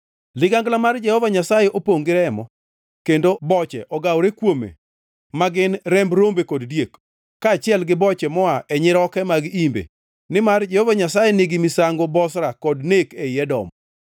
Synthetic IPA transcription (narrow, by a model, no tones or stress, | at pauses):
lɪɡaŋɡlamard͡ʒɛhɔvaɲasajɛʔopoŋɡɪɾɛmɔ | kendobɔt͡ʃɛʔɔɡawɾekwomḛ | maɡɪnɾɛmbɾombekɔddjekː | aːt͡ʃɪɛlɡɪbɔt͡ʃɛmɔaʔɛɲɪɾɔkɛmaɡimbḛ | nɪmard͡ʒɛhɔvaɲasajɛnɪɡɪmɪsaŋɡobɔsɾakɔdnekeɛdɔ̰m